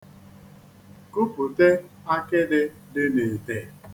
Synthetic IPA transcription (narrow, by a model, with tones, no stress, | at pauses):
ku˦pu˨te˦ | a˦kɪ˦dɪ˦ | dɪ˦ne˨te˨